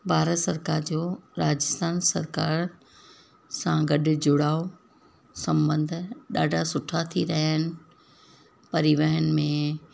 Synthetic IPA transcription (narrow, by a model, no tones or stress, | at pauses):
bʱaːɾət̪sɐɾkaːɾd͡ʑoːɾaːd͡ʑɪst̪aːnsɐ̰ɾkaːɾ | sãɡɐɗʊ̆d͡ʑʊɽaːo | sɐ̃mbə̃nd̪ʱʊɗaːɖʱasʊʈʰat̪ʰiɾɐɦaɪnɪ̆ | pɐɾiʋəɦənɪ̆mẽ